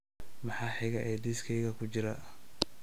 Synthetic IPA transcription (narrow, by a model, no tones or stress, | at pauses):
mɑħɑːħɪɣɐʔɛd̪ijskʰɛjɣɐkʰʊt͡ʃɪɾɐ